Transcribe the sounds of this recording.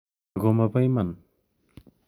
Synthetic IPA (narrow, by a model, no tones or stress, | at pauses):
ɡɔmabajman